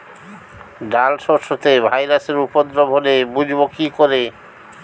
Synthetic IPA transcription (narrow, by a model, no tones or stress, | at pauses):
ɖalʃɔɾʃot̪ebʱajɾaseɾupod̪ɾobʱolebud͡ʑʱbokikoɾe